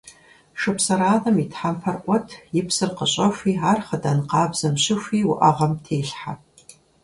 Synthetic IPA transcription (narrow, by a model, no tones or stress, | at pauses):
ʂɨpʰsɐɾaːðɐmitħamfʰɐrqʷʼɔtʰjɪpsɨrqəɕʼɐfʷiːaːrχədɐnqɑːbz̥ɐmɕɪxʷiːwʊʔɐʁɐmtʰeːɬħa